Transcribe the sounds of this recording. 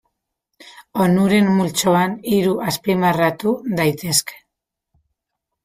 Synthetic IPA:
o̞nuɾe̞mːult͡ʃo̞aniɾuʔaspimarat̪uðajt̪e̞ske̥

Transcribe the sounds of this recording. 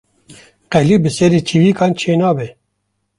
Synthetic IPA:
qɛlibɨsɛɾiːt͡ʃʰivikɑːnt͡ʃʰeːnɑːbe

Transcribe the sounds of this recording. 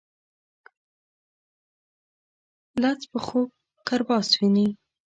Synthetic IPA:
lat͡spəxok̚ː | aɾbɑswini

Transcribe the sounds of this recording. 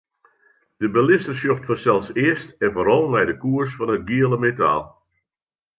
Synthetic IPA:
d̥əbəlɪstəsjoxtfɔnsɛlˠsɪəstɛnvoːɾɔlˠʋɛjdəkuərsfɔnət̚ɡiəlˠəmeta̰ːlˠ

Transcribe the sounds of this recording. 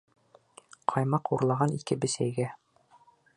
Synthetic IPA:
qʰɑjmɑquɾlˠɑʁɑnikɘbɘ̆sæjɡæ

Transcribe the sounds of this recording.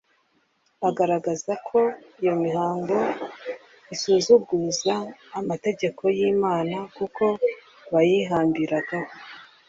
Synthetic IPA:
aɡaɾaɡazakʰo̞ijo̞miɦaːŋɡo̞ | isuːzuɡuzaːmate̞ɟe̞kʰo̞jimaːnakuko̞ | βajiɦaːmbiɾaɡ̥aho

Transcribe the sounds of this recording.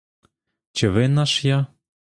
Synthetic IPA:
t͡ɕə̆βenɑʃjɑ

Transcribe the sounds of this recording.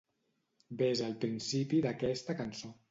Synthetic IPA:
bezəlˠpɾinsipiðəkɛst̪əkənso

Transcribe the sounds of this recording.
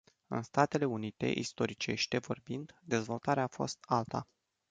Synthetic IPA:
ɨ̰nst̪at̪e̞le̞unit̪e̞̰ʔḭst̪o̞ɾit͡ʃe̞ʃt̪e̞vo̞rbind̪d̪e̞zvo̞lt̪aɾeaːfo̞̰st̪alt̪a̰

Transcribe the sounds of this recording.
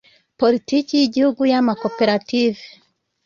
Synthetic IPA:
politikijiɟihuɡujamakopeɾative

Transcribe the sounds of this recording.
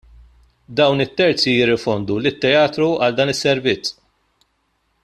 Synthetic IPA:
d̪ɐwnɪt̪ːɛɾt͡sijɪrːɪfɔnd̪ulɪt̪ːɛɐːt̪ɾuɐld̪ɐːnɪsːɛɾvɪt͡sː

